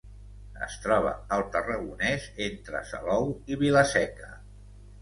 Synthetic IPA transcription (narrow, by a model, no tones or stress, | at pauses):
ə̰st̪ɾɔβ̞ə̰əlˠt̪ərəɣunɛzent̪ɾə̰sə̰lɔwiβiləsɛkə